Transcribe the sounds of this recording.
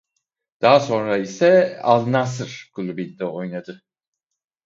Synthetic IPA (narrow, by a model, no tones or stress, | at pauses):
d̪̥aɦaso̞nɾaisɛalˠnasɯɾ̥kʰulˠubilʲd̪ɛo̞jnad̪ɯ